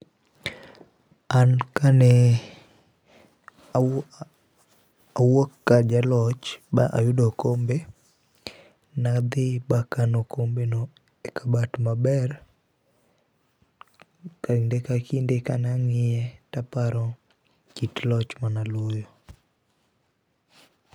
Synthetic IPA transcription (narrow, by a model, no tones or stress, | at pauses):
ankanɛ | awokːad͡ʒalɔt͡ʃbaʔajʊdokombe | nad̪ɪbakanokombeno | ekʰabatmabɛr | kaindekakindekanɛaŋɪjɛtapaɾɔ | kitlɔt͡ʃmanalojo